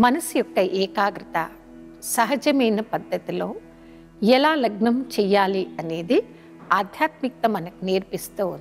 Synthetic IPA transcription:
mɐnɐsujɔkːɐʔɛːkaːɡɾɐt̪ɐ̰ | sɐɦɐd͡ʒɐmɐjnɐpɐd̪ʱːɐt̪ilo̞ː | jɛlaːlɐɡnɐmt͡ʃɛːjːaːliɐne̞ːd̪i | aːd̪ʱjaːt̪mik̚t̪ɐmɐnɐkineːɾpist̪uːund̪i

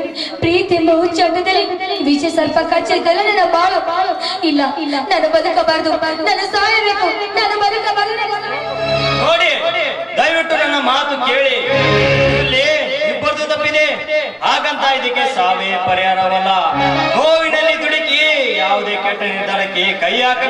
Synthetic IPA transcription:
pɾiːt̪imbɐɦũt͡ʃɐnd̪ɐd̪ɐliʋid͡ʒesɐɾpɐkɐːt͡ʃːɐk̪ːɐlːnɐnɐbaːlɐbaːlɐɪlːɐlːɐnɐnːɐbɐd̪ɯkːɐbaːɾɐd̪ubaːɾɐd̪nɐnːɐsaːjɐʋeːkːunɐnːɐbɐd̪ɯkːɐbaːɾɐɐ | noːɽi | d̪ɐjʋiʈːunɐnːɐmaːt̪ukeːɭi | ɐlːiibːɐɾd̪ut̪ɐpːid̪e | aːɡɐnt̪aid̪ikːesaːʋeːpɐɾijaːɾɐʋɐɾilːɐɦoːɡinɐlːid̪uɽikijaːʋud̪eːkɐʈːɾɐnit̪ɐnɐkːekɐjaːk

